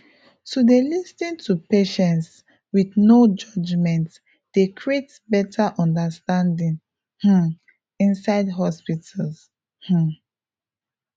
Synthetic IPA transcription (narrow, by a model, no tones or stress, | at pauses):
tudelistĩntʰupeʃɛ̃nts | wiθnod͡ʒɔd͡ʒmɛ̃nt | d̥ekɹiet | bɛtʰaʔɔ̃ndəstãndĩŋ | h̩ | ĩnsaɪdɦɔspitʰəls | h̩